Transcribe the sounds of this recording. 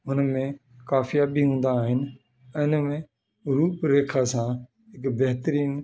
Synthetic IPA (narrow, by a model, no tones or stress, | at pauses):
ʊnmẽ | kaːfijabʱiɦũːn̆d̪aːɦɪnɪ̆ | ɪ̃nmẽ | ɾuːpɾeːkʰasã | ɦɪkbɛɦt̪əɾiːn